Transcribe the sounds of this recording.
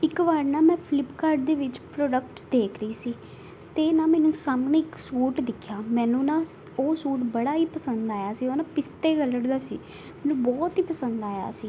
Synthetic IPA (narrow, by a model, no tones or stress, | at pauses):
ɪkʋaːɽnãːmɛ̃ːpʰɪlɪpkaːɾɖ̚d̪eːʋɪt͡ʃpɾoːɖəkʈsd̪eːkʰɾəiːsiː | t̪eːnaːmɛ̃ːnũːsaːmneːɪksuːʈd̪ɪkʰːjaːmɛ̃ːnũːnãː | oːsuːʈbəɽaːiːpəsənd̪aːjaːsiːoːnãːpɪst̪eːɡələɽd̪aːsḭː | mɛːnũːbɔːt̪iːpəsənd̪aːja̰ːsiː